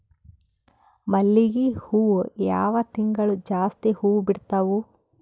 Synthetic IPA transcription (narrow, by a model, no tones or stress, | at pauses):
mɐlːiɡihuːwuja̰ːʋɐt̪iŋɡɐɭud͡ʒaːst̪ihuːwbiɽt̪ɐʋu